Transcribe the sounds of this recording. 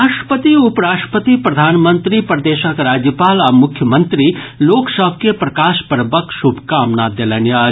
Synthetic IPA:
aːʂʈə̥pət̪iʊpɾaːʈəpət̪ipɾɐd̪ʱaːnmə̃nt̪ɾipɾd̪eːʃakɾaːd͡ʒjəpaːlɐmʊkʰjəmə̃nt̪ɾiloːksəbʱkepɾɐkaːʃpəɾbəkʃubʱkaːmnad̪elənjaː

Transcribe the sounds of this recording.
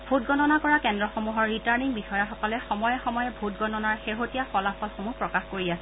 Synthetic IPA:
bʱutɡɔnɔnakɔɹakɛndɹɔxomuɦɔɹːitaɹniŋbixɔjaxɔkɔlɛxɔmɔjɛxɔmɔjɛbʱutɡɔnɔnaɹxeɦotijaxɔlapɔlxomupɹɔkaxkoɹiasɛ

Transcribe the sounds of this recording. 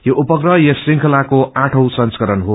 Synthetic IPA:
joʔupʌkrʌjʌsriŋkʰʌlakoʔaʈʰʌw̃sʌnskʌɾʌnɦo

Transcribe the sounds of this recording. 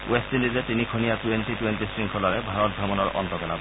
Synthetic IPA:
westindizɛtinikʰonijatuentitwentisɹiŋkʰɔlaɹɛbʱaɹɔt̚ɡɹɔmɔnɔɹʔɔ̰ntɔkɛla̰b

